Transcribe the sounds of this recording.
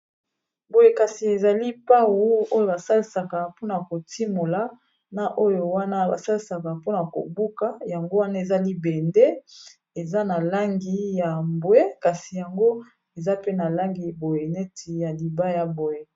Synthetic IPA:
bo˨je˨ka˨si˨e˨za˨li˦pa˦wo˦o˦jo˨ba˨sa˦li˨sa˨ka˨po˦na˨ko˨ti˦mo˨la˦ | na˦ʔo˦jo˨wa˦na˦ba̰˨sa˦li˨sa˨ka˨po˦na˨ko̰˨bu˦ka˦ja˨ŋɡo˦wa˦na˦e˨za˦li˦be˨nde˦ | e˨za˦na˨la˦ŋɡi˨ja˨mbwe˦ka˨si˨ja˨ŋɡo˦ | e˨za˦pe˦na˨la˦ŋɡi˨bo˨je˨nɛ˦tʰi˨ja˨li˨ba˦ja˨bo˨je˨

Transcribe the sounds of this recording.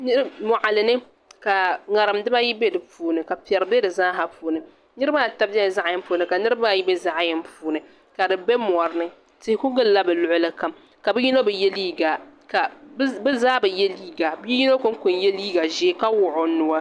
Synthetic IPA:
nɨ˦ɾmɔ˨ʔa˨lɨ˨nɨ˦ | ka˨ŋa˨ɾɨ˨mdɨ˦ba˦ji˦be˦dɨ˨puː˦nɨ˨ka˨pɛ˨ɾɨ˨bɛ˦dɨ˨zaː˦ɦa˦puː˨˦nɨ˨ | nɨ˦ɾɨ˦ba˦˨ta˦bɛ˦˨za˦ʔjɛ˦m˦puː˨˦nɨ˨ka˨nɨ˦ɾɨ˦ba˦˨ji˦bɛ˦za˦ʔjɛ˦m˦puː˦nɨ˨ | ka˨dɨ˨bɛ˦mɔ˨ɾɨ˦nɨ˦ | tɪ˦hɪ˦kʊ˦ɡɨ˦lla˦bɛ˨lʊ˦ʔʊ˦lɨ˦ka˦˨m | ka˨bɨ˦ji˦no˦bɛ˨jɛ˦liː˦ɡa˨ka˨bbɨ˦zaː˦bɨ˨jɛ˦liː˦ɡa˨bi˦ji˦no˦ko˦ŋ˦kʊ˨nje˦liː˦ɡa˨ʒɛ˦ka˦wʊ˨ʔʊ˨nʊ˨wa˦

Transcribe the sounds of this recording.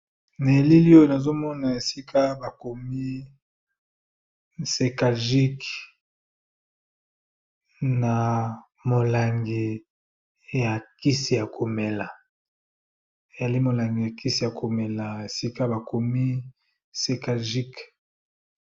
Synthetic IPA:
na˨li˦li˦o˦je˨na˨zo˦mɔ˦na˨e˨si˦kʰa˦ba˨ko˨mi˦ | se˨ka˨ʒi˦k | na˨ | mo˨la˨ŋɡi˨ | ja˨ki˦si˨ja˨ko˨me˨la˨ | e˨ja˨li˦mo˨la˨ŋɡi˨ja˨ki˦si˨ja˨kʰo˨me˨la˨e˨si˦ka˦ba˨ko˨mi˦ | se˨ka˨ʒi˦k

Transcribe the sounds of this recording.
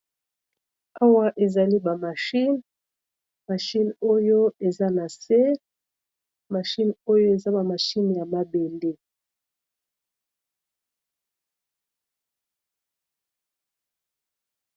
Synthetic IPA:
a˦wa˦ʔe˨za˨li˦ba˨ma˨ʃi˦n | ma˨ʃi˦no˦jo˦e˨za˦na˨se˦ | ma˨ʃi˦no˦jo˦e˨za˦ba˨ma˨ʃi˦nja˨ma˦be˨le˦

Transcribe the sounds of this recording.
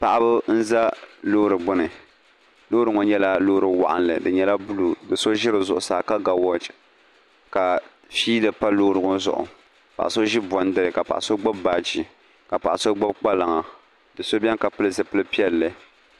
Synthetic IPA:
pa˨ʔa˦bɨ˦n̩˦za˦loː˦ɾɨ˨bʊ˦nɨ˨ | loː˦ɾɨ˨ŋo˨ɲɛ˦la˦lo˦ɾɨ˨wa̰˨ʔa̰˨nlɨ̰˨dɨ˨ɲɛ˦la˦bu˦lu˨dɨ˨so˦ʒɪ˦ɾɨ˨zʊ˨ʔʊ˨saː˨ka˦ɡa˨wɔ˦d͡ʒ | ka˨ | fiː˦lɨ˨pa˦loː˦ɾɨ˨ŋo˦zʊ̰˨ʔʊ̰˨ | pa̰˨ʔa̰˨so˦ʒɪ˦bɔ˨n˦dɨ˦ɾɨ˨ka˨pa̰˨ʔa̰˨so˦ɡ͡ba˦bbaː˦t͡ʃi˨ | ka˨pa˨ʔa˨so˦ɡ͡bʊ˦b̚k͡pa˦la˨ŋa˨ | dɨ˨so˦bʲɛ˦ŋka˨pɨ˦lɨ˦zɨ˨pɨ˦lɨ˦pi˦ɛ˦lːɨ˨

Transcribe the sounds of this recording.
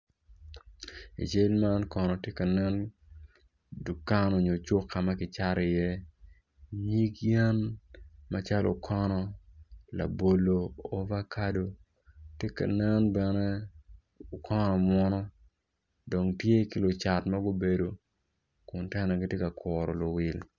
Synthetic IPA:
ḭ˨t͡ʃe˦lma˦nkɔ˨nɔ˨tje˦ka˨nɛ˦n | du˨ka˦no˨ɲo˨t͡ʃo˦kːa˨ma˦kɪ˨t͡ʃa˦ɾɪ˨jɛ˦ | ɲi˦kjɛ˦nma˦t͡ʃa˦lʔo̰˨kʰɔ˦nɔ˦la̰˨bo˨lo˨o˦va˦kʰa˦do˨ | tje˦ka̰˨nɛ˦nbɛ˨nɛ˦ | o˨kʰɔ˦nɔ˨mwɔ˦nɔ˦ | do˨ŋtje˦ki˦lʊ˨t͡ʃa˨tma˦ɡo˦be˨do˨ | kʊ˨ntɛ˦nɛ˨ɡi˦tje˦ka˨kɔ˨ɾɔ˨lʊ˨wɪ˨l

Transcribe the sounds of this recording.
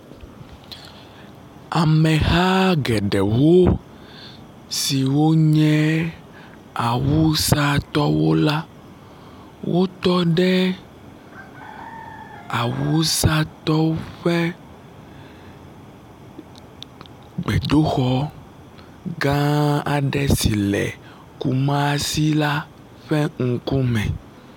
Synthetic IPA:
a˨mɛ̃˨xa˦ɡɛ˨ɖɛ˨wo˦ | si˨wo˦ɲɛ̃˦ | a˨wu˦sa˦t̪ɔ˦wo˦la˦ | wʔo˦t̪ɔ˦ɖɛ˦ | a˨wu˦sa˦t̪ɔ˦ɸɛ˦ | ɡ͡bɛ˨ɖo˦xɔ˦ | ɡã˦a˨ɖɛ˦si˨lɛ̰˨ | ku˨mã˦si˦la˦ | ɸɛ˦ŋ̩˨ku˦mɛ̰̃˨

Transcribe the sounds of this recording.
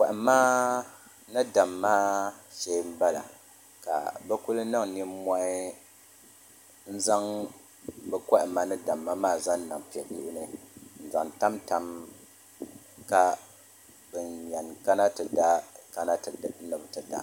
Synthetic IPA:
kʷa˨ʔɪ˨mːaː˦ | nɨ˦da˨mːaː˦ʃe˦m̩˦ba˦la̰˨ | ka̰˨bɛ˦ku˦lɨ˦nɨ˦ŋni˦ma˦ʔɪ˦ | n̩˦za˦ŋ | bɛ˦ka˦ʔɪ˨ma˦nɨ˦da˨mːa˦maː˦˨za˦n˦na˨ŋpi˨ɛ˨ju˦ʔʊ˦nɨ˨n̩˨za˨ŋta˦mta˨m | ka˨ | bɛ˨nɲɛ˨nka˦na˦tɨ˨da˦ka˦na˦˨˦nɨ˨bɨ˦tɨ˨da̰˨

